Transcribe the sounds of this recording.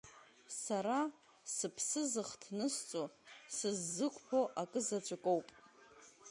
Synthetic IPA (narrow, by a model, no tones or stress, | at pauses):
saɾa | sɨpʰsɨzɨχtʰnɨst͡sʼosɨzːɨkʷʼʰpʰoʔakʼɨzat͡ɕʷʰʼakʷʼo̞wpʼ